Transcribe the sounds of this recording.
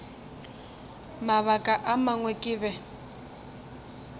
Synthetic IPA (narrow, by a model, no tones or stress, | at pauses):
maβakʼaʔamaŋwɛkʼɪːβɛ